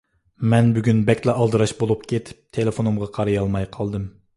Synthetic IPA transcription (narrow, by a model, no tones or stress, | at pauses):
mɛnbyɡʲynbɛkʲlɛʔɑlˠd̪ɨɾɑʃbolˠup̚kʲʰet̪ʰɪ̥p̚t̪ʰelefonumʁɑqʰɑɾɨjɑlˠmɑjqʰɑlˠd̪ɨm